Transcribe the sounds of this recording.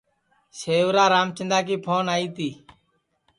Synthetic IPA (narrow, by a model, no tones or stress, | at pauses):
seːʋɾaːɾaːmt͡ʃɪnd̪aːk̬iːpʰoːnaːiːt̪iː